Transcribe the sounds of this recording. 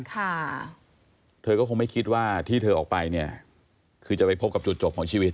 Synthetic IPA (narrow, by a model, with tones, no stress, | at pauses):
kʰa˥˩ | t̪ʰɤː˧kɔː˥˩o˧ŋma˥˩jkʰi˦˥t̪̚waː˥˩t̪ʰiː˥˩t̪ʰɤː˧ʔɔː˨˩k̚pa˧jni˥˩ɐ | kʰɯː˧t͡ɕa˨˩pa˧jpʰo˦˥p̚ka˨˩pt͡ɕu˨˩t̪̚t͡ɕo˨˩p̚kʰːɔː˩˦ŋt͡ɕʰi˧wi˦˥t̪̚